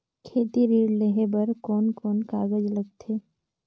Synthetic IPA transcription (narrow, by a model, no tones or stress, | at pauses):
kʰeːt̪iɾiːɽleɦebɐɾkɔːnkɔːnkaːɡəd͡ʒləɡ̚t̪ʰeː